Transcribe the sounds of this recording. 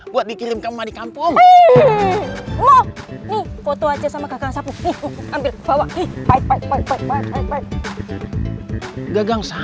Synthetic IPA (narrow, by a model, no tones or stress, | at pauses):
buat̪̚bikiɾɪmkammadikampʊŋ | lɔhnihfot̪oad͡ʒasamaɡaɡaŋsapuiambɪlb̥awaʔihpaik̚paik̚paik̚paik̚paik̚paik̚paik̚ | ɡaɡaŋsa